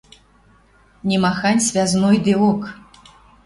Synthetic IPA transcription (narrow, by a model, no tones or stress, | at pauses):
nʲimaxanʲsʲvʲaznojd̪ɨok